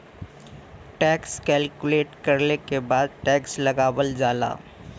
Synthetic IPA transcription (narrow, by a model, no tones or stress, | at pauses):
ʈɛːkskɛːlkʊleːʈkɐɾnekebaːd̪̚ʈɛːkslɐɡaːwəld͡ʒaːla̰ː